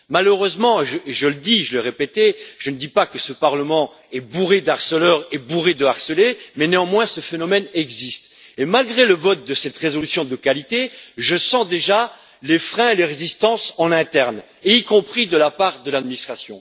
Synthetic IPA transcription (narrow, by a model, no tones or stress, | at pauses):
maløʁøzmɑ̃ʒəʒələd̪iʒələʁepet̪ɛʒ̥ənəd̪ipakəsəpaʁləmɑ̃ | ɛbuʁed̪aʁsəlœʁebuʁed̪əaʁsəlemɛneɑ̃mwɛ̃səfenɔmɛnɛɡzist̪ | emalɡʁeləvɔt̪̚d̪əsɛt̪ʁezɔlysjɔ̃d̪əkalit̪eʒəsɑ̃d̪eʒa | lefχɛ̃eleʁezist̪ɑ̃sɑ̃nɛ̃t̪ɛʁn | eikɔ̃pχid̪əlapaʁd̪əlad̪minist̪χasjɔ̰̃